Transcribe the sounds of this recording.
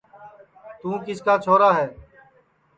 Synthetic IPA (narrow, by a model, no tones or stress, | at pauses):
t̪ũːkɪskaːt͡ʃʰoːɾaːɦɛː